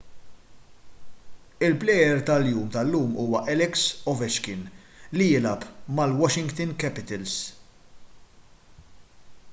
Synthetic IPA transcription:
ɪlplɛjɛɾt̪ɐljuːmt̪ɐlːuːmuːwɐʔɛlɛksɔvɛʃkɪn | lijɪlɐpmɐlwɔʃɪŋɡt̪ɪnkɛpɪt̪ɛls

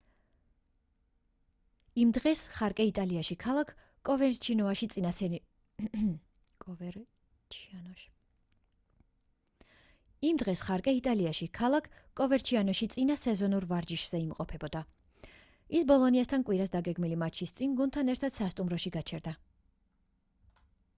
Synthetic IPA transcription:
imd̪ʁɛsχaɾkʼɛit̪ʼaliaʃikʰalˠakʰ | kʼɔvɛt͡ʃʰinɔaʃit̪sʼn | kʼ | t͡ʃ̪ʰ | imd̪ʁɛsχaɾkʼɛit̪ʼaliaʃikʰalˠakʰkʼɔvɛɾt͡ʃʰianɔʃit̪sʼinasɛzɔnuɾvaɾd͡ʒiʃz̥ɛimqʼɔpʰɛbɔd̪a | isbɔlˠɔniast̪ʰankʼwiɾasd̪aɡɛɡmilimat͡ʃʰist̪sʼinɡunt̪ʰanɛɾt̪ʰad̪̥sast̪ʼumɾɔʃiɡat͡ʃʰɛɾd̪a

